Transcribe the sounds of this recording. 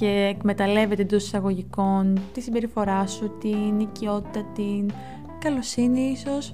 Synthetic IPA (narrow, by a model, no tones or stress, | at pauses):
ce̞ːkme̞t̪ɐle̞ve̞t̪ed̪osi̥sɐɣo̞ʝiko̞nt̪isibe̞ɾifo̞ɾɐsut̪inicio̞t̪i̥t̪ɐt̪in | kɐlosiniiso̞s